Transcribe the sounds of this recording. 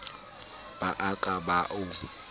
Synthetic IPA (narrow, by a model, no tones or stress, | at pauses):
b̥aʔakʼabaʔʊ